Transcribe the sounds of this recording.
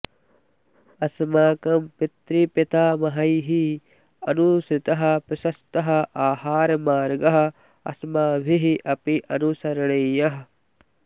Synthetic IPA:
ɐsmaːkɐmpit̪ɾipit̪aːmɐɦɐjɦi | ɐnusɪt̪ɐɦɐ̆pɪʃɐst̪ɐɦɐ̆ʔaːhaːɾɐmaːɾɡɐɦɐ̆ | ɐ̰smaːbʱiɦiʔɐpiʔɐnusɐɾɐɳɐjɐɦɐ

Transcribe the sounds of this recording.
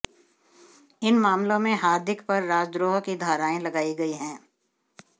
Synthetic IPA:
ɪnmaːmlõmẽɦaːɾd̪ɪkpɐɾːaːd͡ʒd̪ɾoːɦkid̪ʱaːɾaːẽlɐɡaːiɡɐiɦɛ̃ː

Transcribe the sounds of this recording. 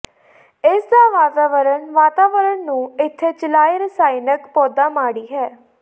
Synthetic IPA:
ɪsd̪aːʋaːt̪aːʋəɾənʋaːt̪aːʋəɾəɳnũːɪt̪ʰːeːt͡ʃəlaːjɾəsaːɪnəkpɔːd̪aːmaːɽiːɦɛː

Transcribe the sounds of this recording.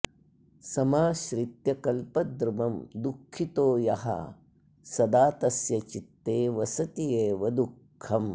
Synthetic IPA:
sɐmaːʃɾit̪jɐkɐlpɐd̪ɾumɐmd̪ukʰːit̪oːjɐɦɐ̰ | sɐd̪aːt̪ɐsjɐt͡ʃit̪ːeːʋɐsɐt̪ijeːʋɐd̪ukʰːɐm

